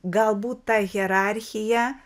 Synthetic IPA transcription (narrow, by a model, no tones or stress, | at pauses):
ɡɐlˠbuːt̪tɐɣʲɛɾɑɾʲxʲɪjɛ